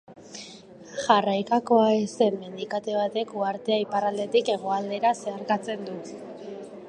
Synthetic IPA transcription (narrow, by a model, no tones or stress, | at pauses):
ʝarajkako̞aese̞mːe̞nd̪ikat̪e̞β̞at̪e̞kuaɾt̪e̞aiparald̪e̞t̪ike̞ɣ̞o̞ald̪e̞ɾase̞aɾkat͡se̞nd̪u